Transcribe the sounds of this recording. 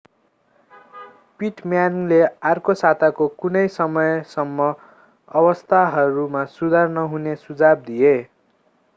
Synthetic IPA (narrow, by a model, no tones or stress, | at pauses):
piʈmjanlearkosat̪akokunʌjsʌmʌjsʌmːʌ | ʌbʌst̪ʰaɦʌɾumasud̪ʱarnʌɦunesud͡zab̚d̪ie